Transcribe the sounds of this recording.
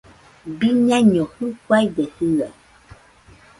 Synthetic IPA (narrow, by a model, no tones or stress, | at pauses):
biɲãɲɔ̃xũkwajɖɛhɨa